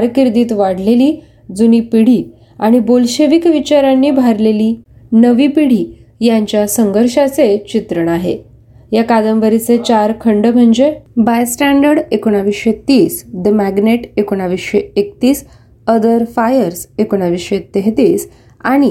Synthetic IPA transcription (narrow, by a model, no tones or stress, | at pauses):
ɾkiɾd̪iːt̪ʋaɽ̤leliː | d͡zuniːpiɽ̤iː | aɽ̃ibolɕeʋikʋit͡ɕaɾanːiːbʱaɾleliː | nəʋiːpiɽ̤iː | jaɲt͡ɕjasəŋɡəɾɕat͡set͡ɕit̪ɾəɳaɦḛ | jakad̪əmʋəɾit͡set͡ɕaɾkʰəɳɖəm̤əɳd͡ʑebajsʈæɳɖəɾɽekoɽ̃aʋisɕet̪iːsd̪əmæɡneʈekoɽ̃aʋiseekt̪iːs | əd̪əɾfajəɾsekoɽ̃aʋisɕet̪eɦt̪iːs | a̰ɽ̃i